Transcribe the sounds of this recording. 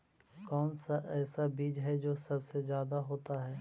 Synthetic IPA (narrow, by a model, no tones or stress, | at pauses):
kɔːnsaʔɛːsabiːd͡ʒɦɛd͡ʒoːsɐbsezjaːd̪aɦoːt̪aɦɛː